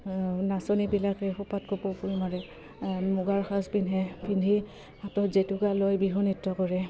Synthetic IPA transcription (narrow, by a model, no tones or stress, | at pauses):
nasɔnibilakɛxupat̚kopopulmaɹɛ | muɡaɹxʰaspinɦɛpʰindʱi | atɔtzetukalojbiɦɔnitːɔkɔɹɛ